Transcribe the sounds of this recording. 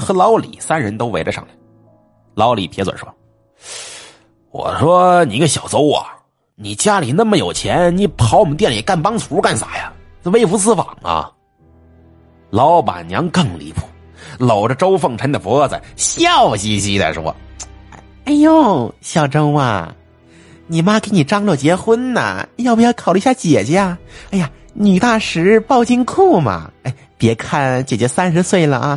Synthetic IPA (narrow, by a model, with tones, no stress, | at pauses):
xɤ˧˥lɑ˧˥ʊlḭ˨˩˦sa˥nɻə˧˥nt̪o˥ʊʋe˧˥ɪlɛ˧ʂɑ̰˥˩ŋli˨˩ | lɑ˧˥ʊli˨˩pʰjɛ˧˥t͡swə̰˨˩nʂwɔ̰˥ | wɔ̰˨˩ʂwɔ˥ni˨˩˧ɡə˧˩ɕjɑ˨˩ʊt͡so˥ʊɐ̰˨˩ | ni˨˩t͡ɕja˥li˨˩na˥nmə˩jo˨˩ʊt͡ɕʰjɛ˧˥nni˧˥˩pʰɑ˧˥ʊɔ˨mə˦nt̪jɛ˥˩nlḭ˨˩ka˥˩npɑ˥ŋt͡sʰu˧˥ka˥˩nsa˨˩ja˦˧ | we˥ɪfu˧˥sɹ̩˥˩fɑ̰˨˩ŋɐ̰˧ | lɑ˧˥ʊpa̰˨˩nnjɑ˧˥ŋkɤ˥˩ŋlḭ˧˥pʰu̥˥˩ | lo˨˩ʊʈ͡ʂə˧ʈ͡ʂo˥ʊfɤ˥˩ŋʈ͡ʂʰə˧˥nd̪ə˨˩fwɔ˧˥t͡sə̰˨˩ɕjɑ˥˩ʊɕi˥˩ɕi˧˥t͡sa̰˥˧˩ʂwɔ̰˧˥˧ | a˥˩ɪjo˥˩˧ɕjɑ˥˩ʊʈ͡ʂo˥ŋɐ̰˥˧ | ni˨˩ma˥ke˧˥ɪni˨˩ʈ͡ʂɑ˥ŋlwɔ˥˩t͡ɕjɛ˧˥xwə˥nə̰˨jɑ˥˧pu˧˩jɑ˥˩kʰɑ˨˩ly˥˧˥ɕja˥˩t͡ɕjɛ˨˩t͡ɕɛ˧˥a˥˧a˥˩ja˨ | ny˨˩t̪a˥˩ʂɻ̩˧˥pɑ˥˧ʊt͡ɕi˥nkʰu˥˩mɐ̰˩a˥˩ɪpjɛ˧˥kʰa˥˩nt͡ɕjɛ˨˩t͡ɕɥɛ˧˥sa˥nʂ̬ɻ̩˧˥swe˥˩ɪlə˩ʔa˧